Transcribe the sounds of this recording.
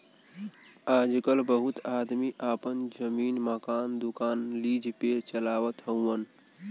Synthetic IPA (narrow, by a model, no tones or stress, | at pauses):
ad͡ʒkəlbəɦut̪ad̪miʔapənd͡ʒəmiːnməkaːnd̪ukaːnlid͡ʒʱpet͡ʃəlaːʋət̪ɦəwən